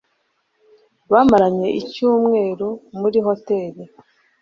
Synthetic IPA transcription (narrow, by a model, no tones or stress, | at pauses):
dwaːmaɾaɲe̞ʔicuːmŋe̞ːɾomuɾiɦo̞te̞ɾi